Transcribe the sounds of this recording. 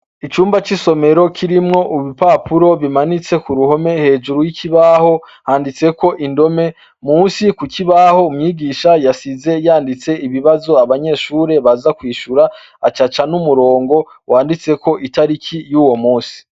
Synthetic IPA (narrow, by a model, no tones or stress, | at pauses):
it͡ʃuːmbat͡ʃiso̞me̞ɾo̞kʰiɾimŋo̞ʔuβipapuɾo̞βimanit͡se̞kuɾuho̞me̞he̞ːd͡ʒuɾujikiβaːho̞ | haːndit͡se̞ko̞ʔindo̞me̞ | muːnsikukiβaho̞umɲiːɡiːʃajasize̞jaːndit͡se̞iβiβazo̞aβaɲe̞ʃuːɾe̞βazakwiːʃuɾa | a̰t͡ʃat͡ʃanumuɾo̞ːŋɡo̞ | wʔaːndit͡se̞ko̞ʔitaɾikʰijuːwo̞muːsi̥